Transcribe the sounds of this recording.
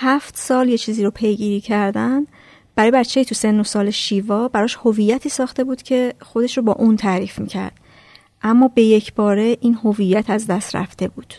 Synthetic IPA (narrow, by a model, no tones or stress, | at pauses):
hæft̪sɒːlje̞t͡ʃʰiːziːɾopʰe̞jɟiːɾiːcʰæɾd̪æn | b̥æɾɒːjbæɾt͡ʃʰe̞jit̪ʰuse̞nːosɒːleʃiːvɒːbæɾɒːʃhovijæt̪ʰiːsɒːxt̪ebuːd̪̥cʰe̞xo̞d̪e̞ʃɾobɒ̰ːʔuːnt̪ʰæɾiːfmicʰæ̰ɾd̪̥ | ʔæmːɒːbe̞je̞cʰbɒːɾe̞ʔiːnho̞vijːæt̪ʰæzd̪æst̪ɾæ̰ft̪e̞buːd̪̥